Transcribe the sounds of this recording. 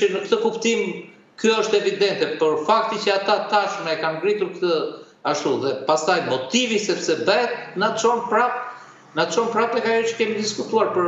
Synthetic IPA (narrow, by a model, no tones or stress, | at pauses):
nəkt̪əkupt̪im | kjɔəʃt̪ɛvid̪ɛnt̪ɛpəɾfak̚t̪icəat̪at̪aʃmɛɛkamɡɾit̪uɾkt̪ə | aʃt̪uðɛpast̪ajmɔt̪ivisɛpsɛbɛtnat͡ʃɔnpɾap | nat̪t͡ʃɔnpɾapɛkajɔt͡ʃə̥kɛmid̪iskut̪uaɾpəɾ